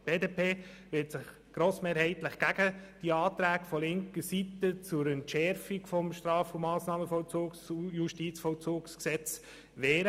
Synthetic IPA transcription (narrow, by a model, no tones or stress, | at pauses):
b̥eːdeːpʰeːʋɪtsɪχ | ɡ̥ɾoːsmeːɾhɛɪtləχɡ̥æɡ̥əd̥iɑːt̪ɾæːkfɔlɪŋkəsit̪ət͡sʊɾɛntʃɛɾfikfɔmʃtɾɑːfumɑːsnɑːməfɔlt͡suːksjuʃtit͡sfɔlt͡suːksksɛt͡s | ʋɛːɾə